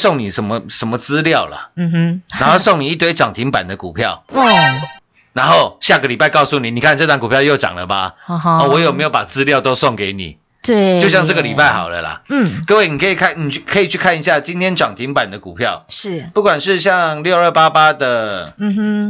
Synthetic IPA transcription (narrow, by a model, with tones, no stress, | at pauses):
so˥˩ŋni˨˩ʂə˧˦nmə˦ʂə˨˦nmə˦t͡sɹ̩˥ljɑ˥˨ʊlɐ̰˩na˧˥nxo˥˧ʊso˥˩ŋni˨˩i˥˩t̪we˥ɪʈ͡ʂɑ˨˩ŋt̪ʰi˧˥ŋpa̰˨˩nd̪ə˦ku˨˩pʰjɑ˥˩ʊ˥ | na˧˦˥nxo˥˨ʊɕja˥˩ɡə˩li˨˩pa˥˧ɪkɑ˥˧ʊsu˥˩ni˨˩ni˨˩kʰa˥˨nʈ͡ʂɤ˥˧t̪wa˥˨ŋku˨˩pʰjɑ˥˧ʊjo˥˩ʊt͡ɕɑ̰˨˩ŋlə̰˦ba̰˨˧ɔ˥˨˩wɔ˧˦jo˨˩me˧˥jo˧˩ʊpa˨˩t͡sɹ̩˥ljɑ˥˧ʊt̪o˥ʊsɔ˥˩ŋke˧˦ɪnḭ˨˩˦ | t̪e˥˩jo˥˧ɕjɑ˥˧ŋʈ͡ʂɤ˥˩ɡə˨li˨˩pa˥˩ɪxɑ˨˩ʊlə̰˦lɐ̰˨˩˥kə˧we˥˩ni˨˩kʰə˧˥i˨˩kʰa˥˩nni˨kʰə˧˥i˨˩t͡ɕʰy˥˩kʰa˥˩ni˧˩ɕ̬ja˥˩t͡ɕi˥nt̪ʰjɛ˥nʈ͡ʂɑ˨˩ŋt̪ʰi˧˥ŋpa˨˩nd̪ə˦ku˨˩pʰjɑ˥˨ʊʂɻ̩˥˩pu˥˩kwa˨˩nʂɻ̩˥˧ɕ̬jɑ˥˧ŋljo˥˧ʊə˞˥˩pa˦˥pa˥d̪ə˨˩